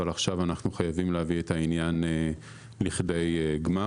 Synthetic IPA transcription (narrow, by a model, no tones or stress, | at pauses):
alaχʃavanaχnuχajavimleavietainjane | liχde̞jɡma